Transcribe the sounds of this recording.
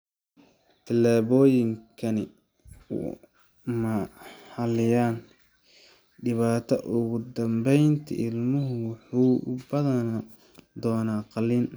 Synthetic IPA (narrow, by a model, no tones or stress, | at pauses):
t̪ʰɐlaːβɔːjɪŋkʰɐnɪ̰ | mɐhɐlɪjaːn | ɖɪβaːt̪ʰɐʔʊɣʊd̪ɐmbɛjnt̪ʰɐ̰ʔɪlmʊɦʊwɑħuːbɐðɐn | d̪ɔːnaːqɑliːn